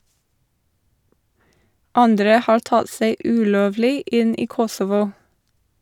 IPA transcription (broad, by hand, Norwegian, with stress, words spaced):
ˈɑndɾə ˈhɑːɾ ˈtɑd ˈseɪ ˈʉːˌloːʋlɪ ˈɪn ˈiː ˈkɔsɔʋʊ